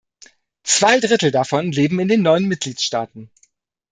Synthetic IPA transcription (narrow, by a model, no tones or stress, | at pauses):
t͡sv̥aɪdʁɪtl̩dafɔnleːbm̩ɪndeːnːɔʏənmɪt̚ɡ̥liːtʃtaːtn̩